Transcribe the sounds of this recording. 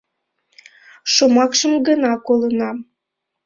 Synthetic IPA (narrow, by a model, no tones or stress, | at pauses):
ʃomɑkʃəmɡənɑkolənɑm